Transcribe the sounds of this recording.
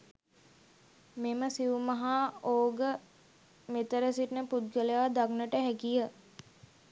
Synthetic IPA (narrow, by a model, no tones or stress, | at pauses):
meməsiumɐɦaːoːɡə | met̪əɾəsiʈnəpud̪̚ɡəleʋad̪aknəʈəɦækijə